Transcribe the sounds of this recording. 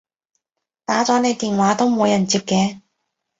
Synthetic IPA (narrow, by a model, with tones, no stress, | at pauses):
t̪aː˨˥t͡sɔː˨˥ne˨˧jt̪iː˨nwaː˨˥t̪o˥wmuː˨˧jɐ˨˩nt͡siː˧p̚kɛː˨˧